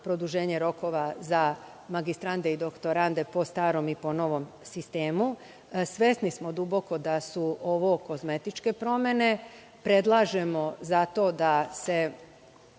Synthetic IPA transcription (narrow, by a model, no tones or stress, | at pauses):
pɾo̞d̪uʒe̞ːɲeɾo̞ko̞ʋaza | maɡist̪ɾand̪eid̪o̞kt̪o̞ɾand̪e̞po̞st̪aːɾo̞mipo̞no̞ʋo̞m | sist̪e̞ːmu | sʋesnismo̞d̪ubo̞ko̞d̪asuoʋo̞ko̞zme̞t̪it͡ʃke̞pɾo̞mje̞ne̞ | pɾe̞d̪lˠaːʒe̞mo̞zat̪o̞ːd̪ase̞